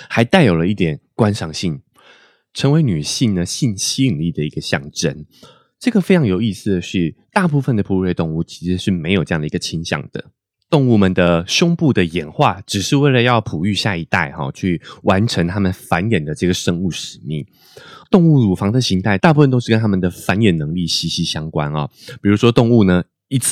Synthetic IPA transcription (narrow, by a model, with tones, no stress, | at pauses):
ha˧˥ɪt̪a˥˩ɪjo˨˩ʊlə˦i˥˩t̪jɛ˨˩nkwa˥nʂɑ˧˥ŋɕi˥˩n | ʈ͡ʂʰə˧˥ŋwe˧˥ɪny˨˩ɕi˥˩nd̪ə˩ɕi˥˩nɕi˥i˨˩nli˥˩d̪ə˩i˧˥ɡə˧ɕjɑ̰˥˩ŋʈ͡ʂə˥n | ʈ͡ʂɤ˥˩ɡə˩fe˥ɪʈ͡ʂʰɑ˧˥ŋjo˨˩ʊi˥˧sɹ̩˨˩d̪ə˩ʂɻ̩˥˧t̪a˥˧p̬u˥˧fə˨˩nd̪ə˩pʰu˨˥e˥˧ɪt̪ʊ˥˧ŋu˥˩t͡ɕʰi̥˧˥ʂɻ̩˧˥ʂɻ̩˥˩me˧˥ɪjo˨˩ʈ͡ʂɤ˥jɑ˥˩ŋd̪ə˩i˧˦ɡə˧t͡ɕʰi˧˥nɕjɑ̰˨˩ŋd̪̥ə̰˩ | t̪o˥˧ŋu˥˩mə˨nd̪ə˩ɕjʊ˥ŋpu˥˩d̪ə˩jɛ˨˩nxwa˥˩ʈ͡ʂɻ̩˨˩ʂɻ̩˥˧we˥˩ɪlə˩jɑ˥˩ʊpʰu˨˩y˥˧ɕja˥˩i˧˥t̪a˥˩ɪxɔ̰˨˩t͡ɕʰy˥˩wa˧˦nʈ͡ʂʰə˧˥ŋt̪ʰa˥mə˨nfa˧˦njɛ˨˩nd̪ə˩ʈ͡ʂɤ˥˩ɡə˩ʂə˥ŋu˥˩ʂɻ̩˨˩mḭ˥˩ŋ | t̪o˥˧ŋu˥˩ɻu˨˩fɑ˧˥ŋd̪ə˨ɕi˧˥nt̪ʰa˥˩ɪt̪a˥˧p̬u˥˩ə˨nt̪o˥ʂɻ̩˥˩kə˥nʰa˥mə˨nd̪ə˩fa˧˥njɛ˨˩nnɤ˧˥ŋli˥˩ɕi˧˥ɕi˧˥ɕjɑ˥ŋkwa̰˦nɐ̰˨˩pi˨˩ɻu˧˥ʂwɔ˥t̪o˥˧ŋu˥˩nə˩ | i˧˥t͡sʰ